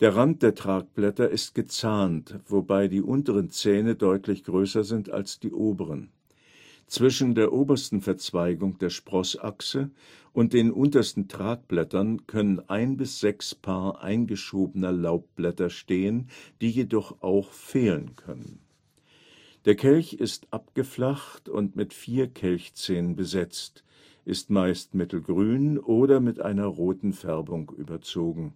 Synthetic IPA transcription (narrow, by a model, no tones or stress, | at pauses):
d̥eːɐʁant̚d̥eːɐtʁ̥aːk̚b̥lɛtɐʔɪst̚ɡ̥ət͡saːntv̥obaɪdiːʔʊntəʁənt͡sɛːnədɔʏtʰlɪçɡ̥ʁøːsɐzɪnta̰lsd̥iːʔoːbəʁən | t͡sv̥ɪʃn̩deːɐʔoːbɐstn̩fɛɐt͡sv̥aɪɡʊŋd̥eːɐʃpʁ̥ɔsʔa̰ksə | ʔʊnt̚d̥eːnʔʊntɐstn̩tʁ̥aːk̚b̥lɛtɐnkʰœnənʔaɪnbɪsz̥ɛkspʰaːɐʔa̰ɪnɡəʃoːbənəlaʊp̚b̥lɛtɐʃteːənd̥iːjedɔχʔaʊxfeːlənkʰœ̰nən | d̥eːɐkʰɛlçɪstʔap̚ɡ̥əflaxtʊ̰ntmɪtfiːɐkʰɛlçt͡sɛːnənbəzɛt͡st | ʔɪstmaɪstmɪtl̩ɡʁyːnʔoːɾɐmɪtʔa̰ɪnɐʁoːtn̩fɛɐbʊŋʔy̰ːbɐt͡soːɡŋ̩